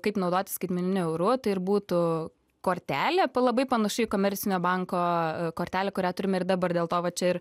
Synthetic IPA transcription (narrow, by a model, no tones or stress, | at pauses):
kɐɪpnɐʊd̪oːt̪ʲɪsʲkɐɪd̪ʲmʲɛnʲɪnʲʊɛʊɾʊt̪ɐɪɪrbuːt̪ʊ | koːɾʲt̪ʲæːlʲeːpɐlˠɐbɐɪpɐnɐʃʊɪkoːmʲɛɾʲt͡s̪sʲɪnʲoːbɐŋkoːkoːɾʲt̪ʲæːlʲɛkʊɾʲæːt̪ʊɾʲɪmʲɛɪrd̪ɑbɐrd̪ʲeːlˠt̪oːʋɐt͡ʃʲɛɪɾ